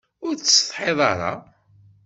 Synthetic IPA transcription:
ʊɾsθˤħeðˤɑɾˤɑ̰

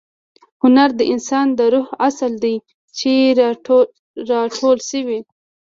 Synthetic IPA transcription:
hʊnaɾd̪əʔɪnsɑnd̪əɾʊhasəld̪aj | t͡ʃe | ɾɑʈʰolʃəwi

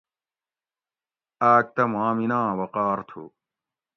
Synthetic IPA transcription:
aːk̚t̪ɐmãːminãːwɐqaːɾt̪ʰṵ

